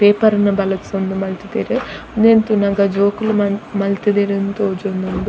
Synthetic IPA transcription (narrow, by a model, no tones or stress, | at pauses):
peːpɐɾnɐbɐlɐt͡sːund̪umɐlt̪id̪eːɾid̪eːnt̪unɐɡɐd͡ʒoːkulummɐlt̪id̪eɾint̪od͡ʒond̪und̪u